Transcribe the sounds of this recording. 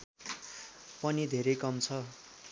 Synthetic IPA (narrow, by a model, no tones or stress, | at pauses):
pʌnid̪ʱeɾʌjkʌmt͡sʰʌ